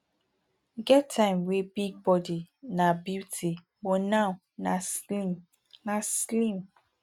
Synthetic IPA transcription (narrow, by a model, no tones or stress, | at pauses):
ɡɛtʰːãɪ̃mwebiɡ̚bɔdinabjitʰi | bonã | naslim | naslĩm